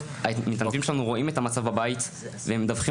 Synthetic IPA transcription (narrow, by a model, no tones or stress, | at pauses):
amit̪anvimʃelanuʁo̞ʔimet̪amat͡savbabait̪ | veemed̪avχi